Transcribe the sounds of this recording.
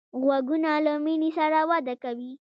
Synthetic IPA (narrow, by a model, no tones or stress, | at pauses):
ɣwaɡunalaminisaɾawad̪akawi